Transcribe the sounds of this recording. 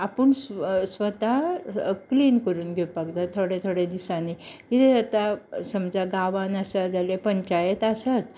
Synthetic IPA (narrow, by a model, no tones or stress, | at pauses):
apəɳssʋət̪a | kliːnkəɾuːnɡʱepakd̪at̪ʰoɽet̪ʰoɽed̪isãniit̪eat̪asəmd͡zaɡaʋãnasad͡zalepəɲt͡ɕajət̪asat̪